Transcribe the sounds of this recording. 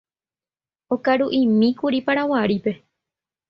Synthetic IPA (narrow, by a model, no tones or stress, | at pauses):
okaɾuʔimĩkuɾipaɾawaɾipe̞